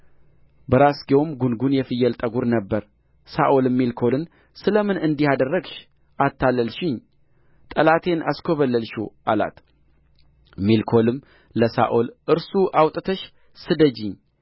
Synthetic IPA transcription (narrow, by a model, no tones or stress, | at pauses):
bəɾasɡiwomɡunɡunjɛfɨjːɛlt̪ʼəɡuɾnəbːəɾ | saʔolɨmːilkʰo̞lɨn | sɨləmɨnɨnd̪ihad̪ərːəɡʃ | ʔat̪ʰːalːəlʃɪɲ | t̪ʼəlat̪ʰe̞nʔa̰skʰoβəlːəlʃuʔala̰t̪ | milkʰo̞lɨm | ləsa̰ʔolʔɨɾsuʔawt̪ʼɨt̪ʰəʃ | sɨd̪əd͡ʒɪɲ